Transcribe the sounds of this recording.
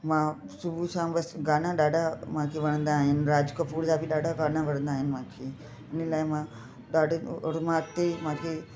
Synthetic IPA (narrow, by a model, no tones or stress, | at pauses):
mãː | subʱusãːbɐsɡaːnãːɗaːɖamãːkʰiʋɐɳ̃ə̃nd̪aːɦɪnɾaːd͡ʒkəpuːɾsaːbiɗaːɽaɡaːnãʋɐɽə̃nd̪aːɦɪnmãːkʰi | ɪnlaːjmãː | ɗaːɖɽmãːk̚t̪emãːkʰe